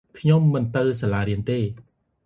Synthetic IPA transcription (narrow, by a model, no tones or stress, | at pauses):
kʰɲomːɨnt̪ɨwsalaːɾiənt̪eː